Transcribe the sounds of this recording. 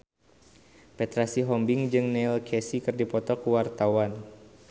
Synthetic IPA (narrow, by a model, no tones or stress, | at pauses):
pɛt̪ɾasiɦɔmbɪŋd͡ʒɨŋnɛlkʰɛsikɨrdipɔt̪ɔkuwart̪awan